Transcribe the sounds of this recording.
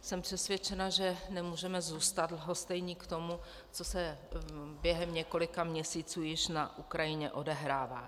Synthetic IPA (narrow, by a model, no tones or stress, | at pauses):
sɛmpr̥ɛsvʲjɛt͡ʃɛnaʒɛnɛmuːʒɛmɛzuːst̪ad̪lɦo̞st̪ɛjɲiːkt̪o̞mu | t͡so̞sɛ | bjɛɦɛmɲɛko̞lɪkamɲɛsiːt͡suːjɪʃnaʔukɾajɪɲɛ̰ʔo̞dɛɦɾaːva̰ː